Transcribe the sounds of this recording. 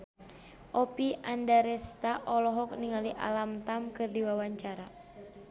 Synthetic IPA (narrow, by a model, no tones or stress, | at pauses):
ʔɔpiʔandaɾɛst̪aʔɔlɔɦɔk̚niŋaliʔa̰lamt̪amkɨrdiwawaɲt͡ʃaɾa